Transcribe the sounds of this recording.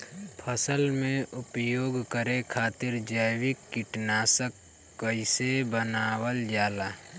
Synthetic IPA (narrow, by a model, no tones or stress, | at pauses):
pʰəsəlmẽʔʊpjoːɡkəɾekʰaːt̪ɪɾd͡ʒəjwɪkːɪʈnaːsəkː | əɪsebənaːwəld͡ʒaːlaː